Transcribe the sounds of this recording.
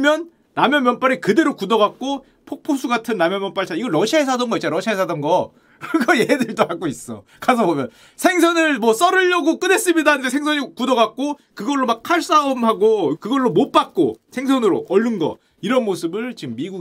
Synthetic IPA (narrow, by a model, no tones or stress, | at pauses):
mjʌnː | amjʌmjʌnp͈aɾikɯde̞ɾokudʌɣak̚k͈o | pʰok̚pʰosʰuɡatʰɯnːamjʌmjʌnp͈aɭt͡ɕ͈ʰaiɡʌɭɾʌɕʰiaɦesʰadʌnŋɡʌit͡ɕ͈aɾʌɕʰiaɦesʰadʌnɡʌ | ɡʌjeedɯɭt͈ohak͈ois͈ʌkasʰʌbomjʌn | sʰe̞ŋs̬ʰʌnɯɭmwʌs͈ʌɾɯʎːʌɡok͈ɯne̞s͈ɯmɲidaɯnde̞sʰe̞ŋsʰʌɲikudʌɣak̚k͈okɯɡʌɭːomak̚kʰaɭs͈aomhaɡokɯɡʌɭːomot̚p͈ak̚k͈o̰sʰe̞ŋsʰʌnɯɾoʔʌʎːunɡʌ̰ | iɾʌnmosʰɯbɯɭt͡ɕimːiɡuɡ